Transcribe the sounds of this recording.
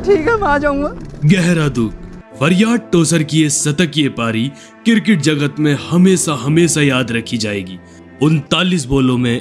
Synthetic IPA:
ʈʰiːkɦɛmad͡ʒaːũŋɡaɡɛɦɾad̪ʊk | ʋɐɾjaːɖ̚ʈoːsəɾkiesɐt̪əkjepaːɾi | kɪɾkɪʈ̚d͡ʒɐɡət̪mẽhɐmeːsaɦɐmeːsajaːd̪ɾɐkʰid͡ʒaːeːɡiː | ʊnt̪aːlis̬boːlõmẽ

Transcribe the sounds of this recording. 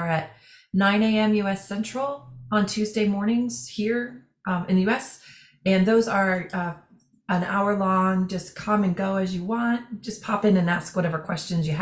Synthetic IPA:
ɨt̚ⁿ | nãɪ̃neɪɛ̃mjʉɛsɛ̃nt͡ʃɹ̥l̩ˠə̃ntʰʉzdeɪmɔɹnɪ̃ŋz̥hiɹ | ʔmɨ̃nðɨjʉɛs | ɨ̃nðoʊzə˞ʌ | ə̃na̰ʊə˞lɔ̃ŋd͡ʒʌskʰʌ̃mɨ̃nɡoʊɨzjɨwɑ̃nt̚d̥ʒ̥ʌspʰɑpɨ̃nɨ̃næskwʌɾɛvə˞kʰw̥ɛst͡ʃɨ̃nzjɨ

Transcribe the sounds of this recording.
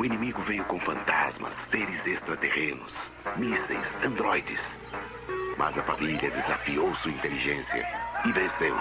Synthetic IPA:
ʊinĩmiɡʊvejʊkõfɐ̃nt̪a̰zmɐ̰sːeɾɪzest̪ɾɐt̪eʁẽnʊ̰s | misḛjsɐ̃nd̪ɾɔjd͡ʒɪ̰s | mʔɐ̰zɐfamiliɐd̪ezafiowsuɐĩnt̪eliʒẽsjɐ̰ɪvẽsew

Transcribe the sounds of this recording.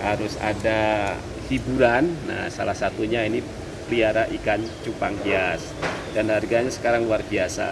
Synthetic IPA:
haɾʊsa̰da | hibuɾanːa̰hsa̰lahsat̪uɲaini | pliaɾaʔikant͡ʃupaŋbias | d̥anharɡaɲasə̥kaɾaŋluarbiasa̰

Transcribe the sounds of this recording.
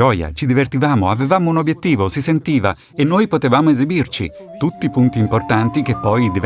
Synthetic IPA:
ɔja̰t͡ʃid̪ivert̪ivaːmoavevaːmounobjet̪ːiːvosisent̪iːva | enːoːjpot̪evaːmoezibirt͡ʃḭ | t̪ut̪ːipunt̪iːmport̪ant̪ikepːɔjd̪iv

